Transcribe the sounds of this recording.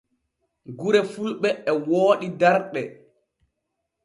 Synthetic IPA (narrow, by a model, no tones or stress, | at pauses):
ɡuɾɛfulɓɛːwoːɗidaɾɗɛ